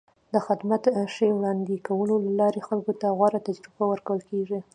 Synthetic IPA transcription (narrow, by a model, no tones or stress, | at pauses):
d̪əxɪd̪mat̪ʃewɽɑnd̪ikawəlolalɑɾexalkot̪aɣwaɾat̪ad͡ʒɾubawəɾkawəlkeʐi